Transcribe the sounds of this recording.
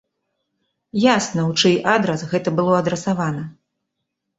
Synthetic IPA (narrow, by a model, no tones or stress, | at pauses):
jasnɐwt͡ʂɨjʔad̪ɾɐsɣɛt̪ɐbɨlˠɔɐd̪ɾɛsavanɐ